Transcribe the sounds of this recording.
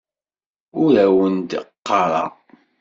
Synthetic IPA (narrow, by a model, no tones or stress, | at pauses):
ʊɾæwənd̪qːɑɾˤɑ̰